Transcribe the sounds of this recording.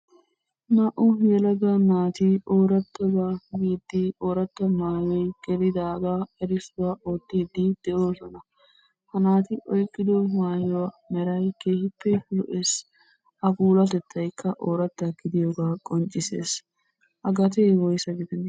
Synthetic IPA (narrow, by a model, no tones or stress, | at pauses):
mɐʔʊjɛlɐɡanaːt̪ɪʔoːɾɐt̪ːɐbaːɡiːd̪ːɪo̞ːɾɐt̪ːɐmaːjɔjɡɛɾɪd̪aːɡaːɛɾɪsʊwaʔoːt̪ːiːd̪ːɪd̪̥ɛʔo̞ːsɔnɐ | hɐnaːt̪ɪʔɔjkʼːɪd̪ɔmaːjɔwɐmɛɾɐjkeːhɪpːɛlɔʔeːs | ɐbuːlɐt̪ɛt̪ʰːɐjkʰːɐʔoːɾɐt̪ːɐɡɪd̪ɪjoːɡaːkʼɔnt͡ʃʼːɪsḛːs | ʔɐɡɐt̪ejwɔjsɐɡɪd̪ɛn